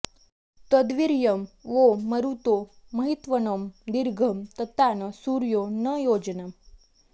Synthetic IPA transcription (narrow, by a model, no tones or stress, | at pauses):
t̪əd̪ʋiɾjəmʋoːəɾut̪o | mɐɦit̪ʋənomd̪iɾɡʱəmt̪ɐt̪anəsuɾjonəjoːd͡ʒnə